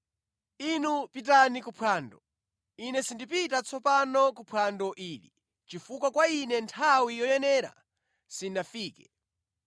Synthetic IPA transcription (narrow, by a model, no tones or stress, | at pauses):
inupit̬anikupʰwaːndɔ | inɛsindip̬itat͡sʰɔpanɔkupʰwandɔʔiːlḭ | t͡ʃifukwakwainɛntʰawijɔjɛnɛːɾa̰ | sinafiːkɛ